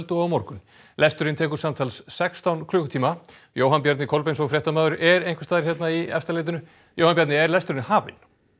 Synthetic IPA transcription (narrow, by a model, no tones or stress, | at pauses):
lt̪ʏɔmɔɾkʏn | lɛst̪ʏɾɪnt̪ʰɛːkʏɾ̥samt̪ʰalsːɛkst̪awnkʰlʏːkʏt̪ʰiːma | joːwɦanpjaɾt̪nɪkʰolpejnsɔfɾjɛht̪amaːðʏɾʔɛɾejŋkvɛ̥st̪aːðɪɾ̥çɛt̪naiɛ̰st̪aleːt̪̬ɪnʏ | jowhanpjaɾt̪nɪɛɾlɛst̪ʏɾɪnhaːvɪ̰n